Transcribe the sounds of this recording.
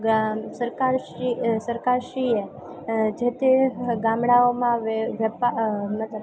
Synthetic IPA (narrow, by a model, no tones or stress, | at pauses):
səɾkaɾʃisəɾkaɾʃɾie | d͡ʒet̪eɡamɽaomãʋʋəpamət̪lə